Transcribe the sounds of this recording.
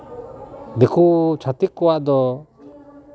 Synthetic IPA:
d̪ekut͡ʃʰat̪ikːɔwaʔd̪ɔ

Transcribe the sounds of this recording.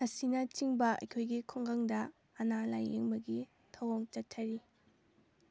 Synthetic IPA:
nɐsinɐt͡ʃiŋbɐɐ̰jkʰojɡikʰoŋɡaŋdɐː | nala̰jḛŋbɐɡi | tʰɐwoŋt͡ʃɐtʰːɐɾi

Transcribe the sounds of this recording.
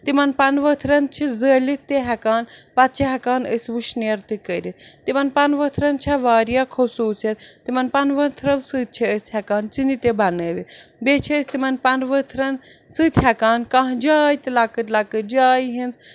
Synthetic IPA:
t̪imɐnpɐnʋət̪ʰɾɐnt͡ʃʰizəːlit̪eɦɛkaːnpɐt̪̚t͡ʃʰiɦɛkaːnəsʲʋuʃnɐɾt̪ikəɾʲit̪t̪imɐnpɐnʋət̪ʰɾɐnt͡ʃʰɐʋaːɾijakʰosuːt͡sɐt̪t̪imɐnpɐnʋɐt̪ʰɾɐʋsɨːt̪̚t͡ʃʰiəsʲhɐkaːnt͡sind̪it̪ebɐnəːʋibet͡ʃʰiːsʲt̪imɐnpɐnʋət̪ʰɾɐn | sɨt̪ʰʲɦɛkaːnkãɦd͡ʒaːjt̪ilakɨt̪ʲlakɨd͡ʒaːjɦinz

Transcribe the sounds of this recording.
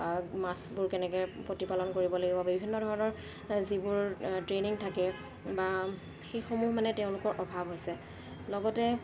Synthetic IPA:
masbʊɹkɛnɛkɛpotipalɔnkoɹibɔlaɡibɔbibʱinːɔdʱɔɹɔnɔɹ | zibʊɹtɹeniŋtʰakɛ | ba | xejxomuɦmanɛtɛʊ̃lʊkɔɹʔɔbʱabʱɦojsɛ | lɔɡɔtɛ

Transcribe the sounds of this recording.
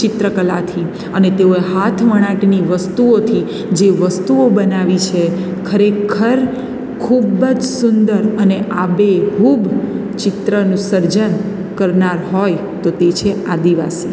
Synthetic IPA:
t͡ʃɪt̪ɾəkəlat̪ʰi | ənet̪eoeɦat̪ʰʋəɽ̃aʈniʋəst̪uot̪ʰi | d͡ʒeʋəst̪uobənaʋit͡ʃʰekʰəɾekʰəɾ | kʰubəd͡ʒsund̪əɾəneʔabeɦub | t͡ʃɪt̪ɾənũsəɾd͡ʒən | kəɾnaɾɦoj | t̪ot̪et͡ʃʰead̪iʋasi

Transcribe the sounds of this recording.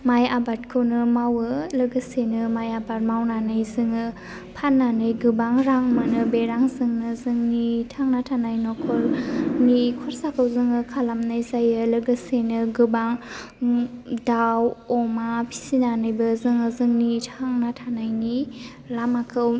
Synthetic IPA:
majabatkʰɯwnɯmawɯlɯɡɯsenɯmajabaɾ̚mawnanɯjzɯŋɯ | pʰanːanɯjɡɯbaŋɾaŋmɯnɯbeɾaŋzɯŋnɯzɯŋnitʰaŋnatʰanajnɔkʰɔlnikʰɔɾsakʰɯwzɯŋɯkʰalamnajzajɯlɯɡɯsenɯɡɯbaŋ | dawɔmapʰi̥sinanɯjbɯzɯŋɯzɯŋnitʰaŋnatʰanajni | lamakʰɯw

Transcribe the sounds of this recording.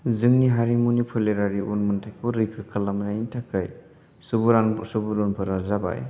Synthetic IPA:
zɯŋniɦaɾimunipʰɯleɾaɾiʔunmɯntʰajpɔɾikʰɯkʰalamnajintʰakʰːaj | subuɾaŋsubuɾɔnpʰɯɾazaba̰j

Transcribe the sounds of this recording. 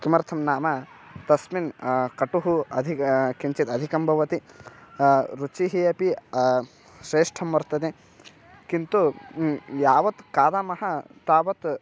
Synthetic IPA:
kimɐɾt̪ʰɐmnaːmɐ | t̪ɐsminkɐʈuɦuɐd̪ʱikiɲt͡ʃit̪ɐd̪ʱikɐmbʱɐʋɐt̪i | ɾut͡ʃiɦijɐpi | ʃɾeːʂʈʰɐmʋɐɾt̪ɐd̪e | kint̪u | jaːʋɐt̪kaːd̪aːmɐɦɐt̪aːʋɐt̪

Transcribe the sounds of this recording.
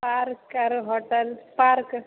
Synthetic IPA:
paɾkɐɾɦɔʈəlpaɾk

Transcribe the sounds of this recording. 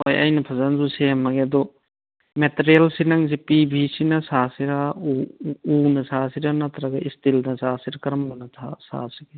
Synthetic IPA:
ojɐ̰jnɐpʰɐzɐnzusemːɐɡeɐd̪u | meteɾielsinaŋs̬ipibʱisinɐsasiɾa | unɐsasiɾanat̪ʰɾaɡɐʔistildɐsasiɾɐkɐɾɐmbɐnɐtʰa̰sa̰siɡe

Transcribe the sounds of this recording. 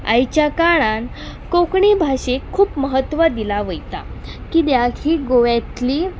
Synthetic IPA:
a̰jt͡ɕjakaɭan | kokɳibʱaɕekʰːuːpməɦət̪ʋəd̪ilaʋəjt̪a̰ | kiːd̪jakʰiːɡoʋjat̪liː

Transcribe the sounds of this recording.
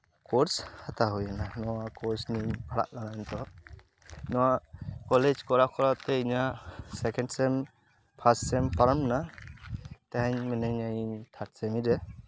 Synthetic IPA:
kɔɾshat̪aɦujananɔwakɔɾsnimbaɽa̰ʔlanant̪ɔ | nɔwakɔled͡ʒkɔɾakɔɾat̪ɛiɲasɛkɛnɖsɛm | pʰassɛmpaɾamna | t̪aɦaɲmɛnɛɲajiɲt̪ʰat̚sɛmiɾɛ

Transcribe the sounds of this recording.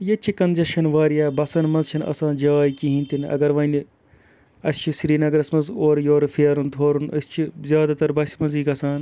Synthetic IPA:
jɐt͡ʃʰikɐnzɐt͡ʃʰɐnʋaːɾijaːbɐsɐnmɐnzt͡ʃʰɐnɐ̰sãːnd͡ʒaːjikiɦĩnt̪inɐ̰ɡɐɾʋɐni | ɐsʲt͡ʃʰisɾiːnɐɡɐɾɐsmɐnzoːɾjoːɾfʰijɐɾunt̪ʰoːɾunɐsʲt͡ʃʰizʲjaːd̪aːt̪ɐɾbɐsʲmɐnziːkɐsãːn

